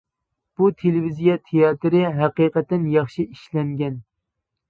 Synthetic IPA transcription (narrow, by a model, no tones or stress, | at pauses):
b̥ut̪ʰelɪvizijɑt̪ʰejɑːt̪ɾɪɦæqiːqɛt̪ːɪnjɑχʃiʔiʃlɛŋɡʲɛn